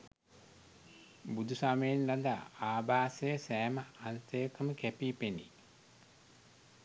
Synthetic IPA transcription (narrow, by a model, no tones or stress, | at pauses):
bud̪usaməjenlad̪a̰ːaːbaːsəjəsæːməant̪əjəkəməkæpiːpenḭ